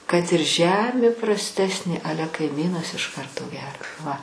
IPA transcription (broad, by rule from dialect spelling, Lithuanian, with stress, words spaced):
kɐt ɪr ˈʒʲæːmʲeː prɐsʲˈtʲæːsʲnʲeː ˈɑːlʲɛ kɐɪˈmʲiːnɐs ɪʃ ˈkɐrtoː ˈɡʲæːrɐ ʋɐ